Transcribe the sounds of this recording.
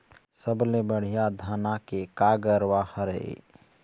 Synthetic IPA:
səblebəɽ̤ijad̪ʱaːnakekaɡəɾwahəɾḛ

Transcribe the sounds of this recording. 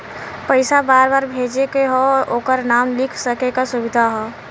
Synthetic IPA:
pəɪsabaːɾbaːɾbʱeːd͡ʒekeɦooːkəɾnaːmlɪkʰsəkekasʊbɪd̪ʱaɦɔ

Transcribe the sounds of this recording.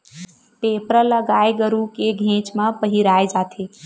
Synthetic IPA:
pepɾələɡaːeɡəɾukeɡʱẽt͡ʃmãpəɦiɾajd͡ʒat̪ʰe

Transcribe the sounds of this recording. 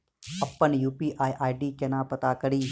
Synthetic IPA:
əpːənjuːpiːʔaːiʔaːiɖiːkeːnãːpət̪aːkəɾiː

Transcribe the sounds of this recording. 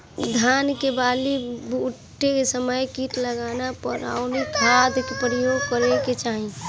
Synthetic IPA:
d̪ʱjaːnkebaːlibuʈʰːekesəməjkiːʈləɡaːnapəɾa̰ːʊnikʰaːd̪kepɾəjoːɡ̚kəɾeket͡ʃaːɦĩ

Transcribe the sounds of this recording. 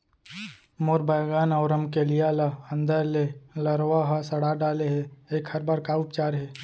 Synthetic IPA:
moːɾbəjɡaːnɐʊɾəmkelijaːlaə̃nd̪əɾleləɾʋaɦasɐɽaːɖaːleɦeeːkhɐɾbaːɾkaʊpt͡ʃaːɾɦɛː

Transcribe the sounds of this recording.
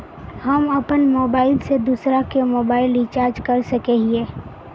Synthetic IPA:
hɐmɐpənmoːbaːɪlsed̪uːsɾakemoːbaːɪlit͡ʃaːɾd͡ʒkɐɾsəkeɦieː

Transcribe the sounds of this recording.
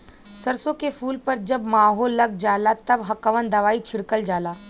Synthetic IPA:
səɾsõkefʰuːlpəɾd͡ʒəbmaːɦoːlːɐɡ̚d͡ʒaːlat̪əbɦɐkəʋənd̪ɐʋaːit͡ʃʰɪɽkəld͡ʒaːla

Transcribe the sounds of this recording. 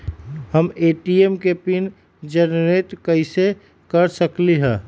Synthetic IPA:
həmeːʈiemkepin | d͡ʒənɾet̪kəɪse | kəɾsəkliɦɛ̃ː

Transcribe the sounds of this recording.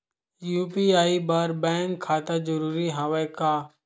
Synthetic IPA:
juːpiːaːiːbaːɾbɛ̃ːŋkʰːaːt̪aːd͡ʒəɾuːɾiːɦaːʋeːkaː

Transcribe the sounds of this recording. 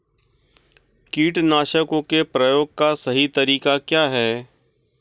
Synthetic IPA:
kiːʈnaːʃəkõkepɾɐjoːɡ̚kasɐɦit̪ɐɾiːkakjaːɦɛː

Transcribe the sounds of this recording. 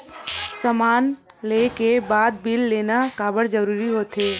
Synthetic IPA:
səmaːn | leːkebaːd̪̚bɪlːeːnakaːbəɽd͡ʒəɾuːɾiɦoːt̪ɦeː

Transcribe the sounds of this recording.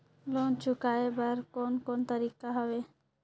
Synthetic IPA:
lont͡ʃukaebaɾkɔnkɔnt̪aɾikaɦɔbe

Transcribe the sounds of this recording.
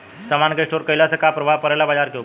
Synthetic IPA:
səmankeʂʈoɾkəjlasəkapɾəʋapəɾajlabad͡zaɾkeo

